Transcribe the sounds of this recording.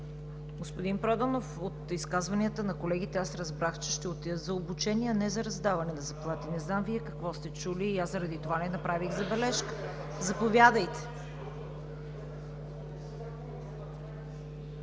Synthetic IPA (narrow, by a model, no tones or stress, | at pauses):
ɡospʊd̪inpɾad̪ənofot̪iskazvɐniət̪ənɐkolɛɡ̟it̪ɛasɾɐzbɾaxt͡ʃɛ̥ʃt̪ɛot̪ijət̪zɐobut͡ʃɛniɛɐnɛzɐɾɐzd̪avɐnɛnɐzɐplˠat̪ənɛznamviɛkɐkvɔst̪ɛt͡ʃuliːaszəɾɐd̪it̪ovanɛnɐpɾaviɣzɐbɛlɛʃkə̥ | zɐpovʲjad̪əjt̪ɛ̥